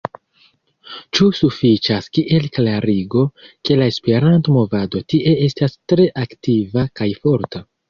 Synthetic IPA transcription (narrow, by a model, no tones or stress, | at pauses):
t͡ʃusufit͡ʃaskiʔe̞lklaɾiɡo̞ke̞lae̞spe̞ɾanto̞mo̞vado̞tiʔe̞e̞stastɾe̞ʔaktivakajfo̞ɾta